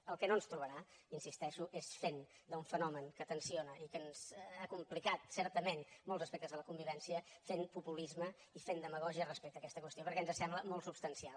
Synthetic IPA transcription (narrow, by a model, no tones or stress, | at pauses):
əlˠkɛnonst̪ɾuβəɾainsist̪ɛʃuʔesfend̪əuɱfənɔməŋkət̪ənsionəikənz̥akumplikat̪sɛɾt̪əmenmɔlˠzəspɛk̚t̪əzðələkumbiβɛnsiəfenpupulizmə | ifend̪əməɣɔʒiərəspɛk̚t̪əːkɛst̪əkwəst̪iopəɾkɛənzəsɛmbləmɔlˠt̪supst̪ənsial